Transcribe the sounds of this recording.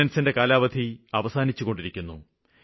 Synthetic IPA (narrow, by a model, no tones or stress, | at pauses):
ɐnsinde̞kaːlaːʋɐd̪ʱiɐʋɐsaːnit͡ɕːuɣo̞ɳɖiɾikʲːunːu